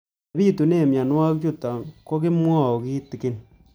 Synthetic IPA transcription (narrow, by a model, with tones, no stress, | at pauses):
biː˦tu˨ne˦˨mja˨nwa˦kt͡ʃu˦ta˨ko˦kɪ˦mwa˦˨o˨kiː˦ti˨kɪ˦n